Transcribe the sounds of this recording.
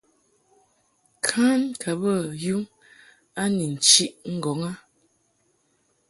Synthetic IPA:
kʰa˦nkʰa˨bə˦˨ju˦ŋ | a˦ni˨n̩˨t͡ʃi˦ʔŋ̩˦ɡɔ˨˦ŋa˦

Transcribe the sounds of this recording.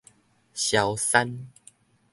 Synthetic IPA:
ɕja˨˦wsa˦n

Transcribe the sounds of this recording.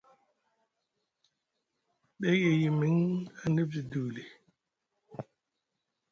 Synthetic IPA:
ɓe˦je˨ji˨mi˦ŋa˨ni˦b̚zi˨du˨li˨

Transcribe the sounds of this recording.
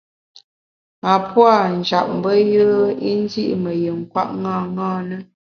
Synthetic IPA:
a˨pwa˦˨n̩˨d͡ʒa˨p̚m̩˨bə˦jə˦i˦n˦dḭ˦ʔmə˨jɨ˨ŋ̩˨kwa̰˦ʔŋa˦˨ŋaː˦nə˦

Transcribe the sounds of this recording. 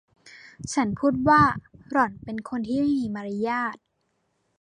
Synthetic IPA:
t͡ɕʰa˦˥npʰuː˥˩t̪̚waː˥˩ɾɔ˨˩˦npe˧nkʰo˧nt̪ʰiː˥˩ma˥˩miː˧maː˧ɾa˧jaː˥˩t̪̚

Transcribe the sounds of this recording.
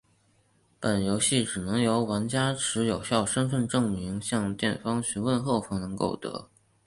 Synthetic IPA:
pə˨˩njo˧˥ʊɕi˥˩ʈ͡ʂɻ̩˨˩nɤ˧˥ŋjo˧˥ʊwa˧˥nt͡ɕja˥ʈ͡ʂʰɻ̩˧˥jo˨˩ʊɕjɑ˥˩ʊʂə˥nfə˥˧nʈ͡ʂɤ˥˩ŋmi˧˥ŋɕjɑ˥˧ŋt̪jɛ˥˩nfɑ˥ŋɕy˧˥nwə˥˧nxo˥˩ʊfɑ˥ŋnɤ˧˥ŋko̰˥˩ʊt̪ɤ̰˧˥

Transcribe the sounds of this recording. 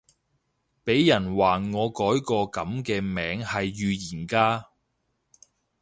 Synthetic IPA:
pe˨˥jːɐ˨˩nwaː˨ŋɔː˨˧kɔː˨˥jkɔː˧kɐ˨˥mkɛː˧mɛː˨˥ŋhɐ˨jːyː˧jiː˨˩nkaː˥

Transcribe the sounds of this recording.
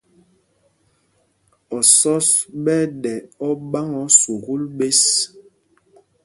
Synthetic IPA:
ɔ˨sɔ˦sɓɛ˦ɗɛ˨ɔ˦ɓa˦ŋɔ˨˦su˨ɣu˦lɓe˦s

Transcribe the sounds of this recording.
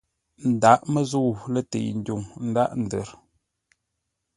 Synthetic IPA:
n̩˨da˦ʔmə˦zu˦˨lə˦tḛ˨n̩˨du˨ŋn̩˦da˦ʔn̩˨də˨ɾ

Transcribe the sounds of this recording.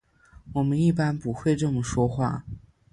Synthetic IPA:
wɔ˨˩mə˦ni˥˩pa˥npu˧˥xwe˥˧ɪʈ͡ʂɤ˥˩mə˨˩ʂwɔ˥xwa̰˥˩

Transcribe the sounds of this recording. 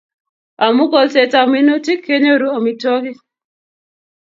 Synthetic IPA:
a˨mu˦kɔ˨lsɛ˨ta˨mi˦no˦ti˦kʰːɛ˦ɲɔ˦ɾu˦a˨mitɔ˦ki˦

